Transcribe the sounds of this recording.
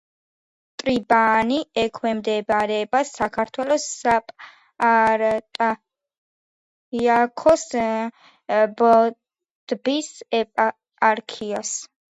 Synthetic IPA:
t̪ʼɾibaniɛkʰwɛmd̪ɛbɾɛːbasakʰaɾt̪ʰwɛlɔsːapʼ | aɾt̪ʼa | iakʰɔs | bɔ | d̪̥bisɛpʼa | aɾkʰias

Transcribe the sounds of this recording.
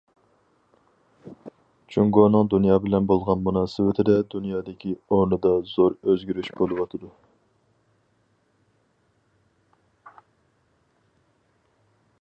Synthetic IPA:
t͡ʃʰuŋɡonɨŋd̪unjɑːbɪlɛnbolˠʁɑnmunɑːsɪwɪt̪ʰɪd̪ɛd̪unjɑːd̪ɪkʲʰioɾnɨd̪ɑz̥oɾøzɡʲyɾyʃbolˠɨwɑt̪ʰɨd̪u

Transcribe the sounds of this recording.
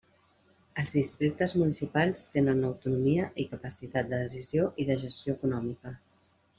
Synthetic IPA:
əlˠzðist̪ɾik̚t̪əzmunisipalˠst̪enənəwt̪unumiəʔikəpəsit̪at̪̚d̪əðəsizjoʔiðəʒəst̪joəkunɔmikə

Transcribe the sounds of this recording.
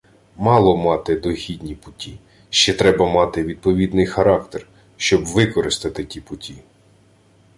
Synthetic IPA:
mɑlˠɔmɑt̪ɪd̪ɔɦʲid̪ʲnʲipʊtʲi | ʃt͡ʃɛt̪ɾɛbɐmɑt̪ɪʋʲid̪̚pɔʋʲid̪nɪjxɐɾɑkt̪er | ʃt͡ʃɔbʋɪkɔɾɪst̪ɐt̪ɪtʲipʊtʲi

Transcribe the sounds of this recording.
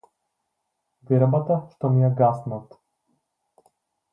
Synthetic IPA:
ɡɛɾbat̪aʃt̪ɔmijaɡasnat̪

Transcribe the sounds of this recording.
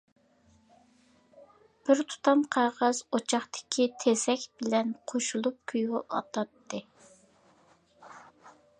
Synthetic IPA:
b̥ɪɾt̪ʰu̥t̪ʰɑmqʰɑːʁɑz̥ot͡ʃʰɑχt̪ɪ̥kʲʰit̪ʰesɛkʲbɪlɛnqʰoʃulˠup̚kʲʰyjʊʔɑt̪ʰɑt̪ʰːɨ

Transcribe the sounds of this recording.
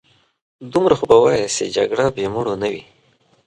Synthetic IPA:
d̪umɾaxobawajased͡ʒa̰ɡɽabemuɽonawi

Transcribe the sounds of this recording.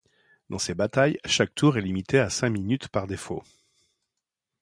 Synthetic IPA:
d̪ɑ̃sebat̪ajʃak̚t̪ʰuʁɛlimit̪easɛ̃minyt̪paʁd̪efo̰

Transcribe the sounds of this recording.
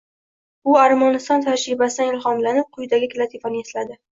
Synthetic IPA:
ʊaɾmɒnɪst̪ɒnt̪ʰaɾʃɾɪbasɪd̪anɪlχɒmlanɪp̚qʰʊjd̪aɡʲɪkʲʰlat̪ʰifanɪeslad̪ɪ

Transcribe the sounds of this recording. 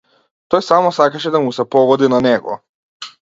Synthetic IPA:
t̪ojsamɔsakaʃɛd̪amusɛpɔɡɔd̪inanɛɡɔ̰

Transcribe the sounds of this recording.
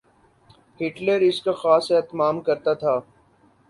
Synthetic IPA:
hɪʈleɾɪskaxaːsɛt̪maːmkɐɾt̪at̪ʰaː

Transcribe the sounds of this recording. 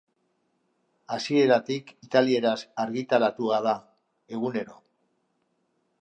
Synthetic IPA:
asie̞ɾat̪ikit̪alie̞ɾasaɾɣit̪alat̪uað̞a | e̞ɣune̞ɾo̞

